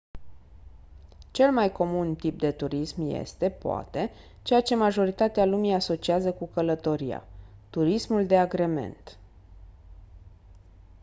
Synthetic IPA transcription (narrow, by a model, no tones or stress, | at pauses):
t͡ʃe̞lmajko̞munt̪ip̚d̪e̞t̪uɾismje̞̰st̪e̞poa̰t̪e̞ | t͡ʃe̞jat͡ʃe̞maʒo̞ɾit̪at̪ealumijaso̞t͡ʃiazəkukələt̪o̞ɾia̰t̪uɾismuld̪e̞aɡɾe̞me̞̰nt̪